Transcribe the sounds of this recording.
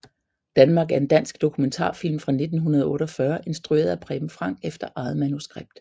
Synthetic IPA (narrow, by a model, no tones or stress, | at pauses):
d̥ænmɑ̈ɡ̥æɐe̝nd̥æn̰sɡ̥d̥o̝kʰument͡sʰɑ̰̈ːfil̰mfʁɑ̈ne̝d̥n̩ɦunɐðˠɔ̽ːɾ̥ɒfɶɐʔe̝nsd̥ʁue̝̰ɐð̞̩ˠæpʰʁɛːm̩fʁɑ̈ŋ̰ɡ̥efd̥ɐʔɑ̈ːð̩ˠmænusɡ̥ʁeb̥̚d̥